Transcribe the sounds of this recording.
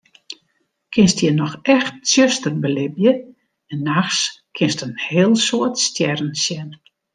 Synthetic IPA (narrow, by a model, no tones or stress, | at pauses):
kʰɪnstjənɔxɛxt̚sjøstərbəlɪbjə | ɛnːaxskʰɪnstənhɪːlˠsoətstjɛrn̩sjɛn